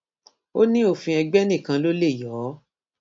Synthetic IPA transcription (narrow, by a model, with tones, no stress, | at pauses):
o˦nĩ˦o˦˨fĩ˧ɛ˧ɡ͡bɛ˦nĩ˦˨kã˧lo˦le˦˨jɔ˨˦